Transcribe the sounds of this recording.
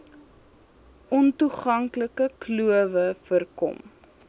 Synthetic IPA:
ʔɔntuχɐŋkləkəkluəvəfərkɔ̰m

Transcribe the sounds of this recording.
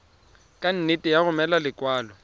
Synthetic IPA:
kʼan̩netʼɪjaɣʊmɛlalɪkʼwaːlɔ

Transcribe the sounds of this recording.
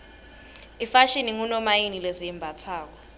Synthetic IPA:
ifaʃiniŋunɔmajinilezijɛmbʱat͡sʰaːk̬ɔ

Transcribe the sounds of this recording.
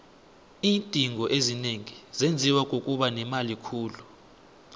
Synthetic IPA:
iːntʼiŋɔʔezineŋizend͡zʱiwakʼokʼuɓanɛmalikʰuːlu

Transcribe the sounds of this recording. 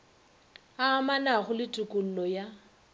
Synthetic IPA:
aːmanaɣʊlɪtʼʊkʼʊl̩lɔja

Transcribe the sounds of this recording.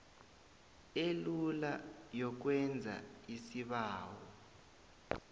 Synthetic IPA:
elulajɔk̬wɛnd͡zʱa̰isiɓaːwɔ

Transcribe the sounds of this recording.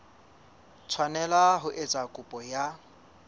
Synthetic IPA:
t͡sʰwanɛlaɦʊʔet͡sʼakʼʊpʼɔja

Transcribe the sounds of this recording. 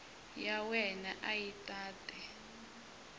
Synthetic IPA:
jawɛnaʔajitʼaːtʼɛ

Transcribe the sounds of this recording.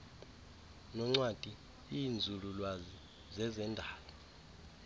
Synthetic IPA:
nɔŋ͡ǀwad̥ʱi | iːnd͡zʱululwazi | zɛzɛndʱaːlɔ

